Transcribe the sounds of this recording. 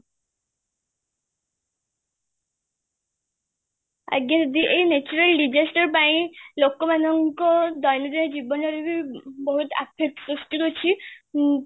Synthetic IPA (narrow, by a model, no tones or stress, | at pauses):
a̰ɡed͡ʒɔd̪iʔejnet͡ʃuɾelɖid͡ʒesʈɔɾpaĩlokːɔmanɔŋkɔd̪ɔjnɔd̪ied͡ʒibɔnaɾibiboɦut̪a̰pʰek̚ʈsɾusʈikot͡ʃʰi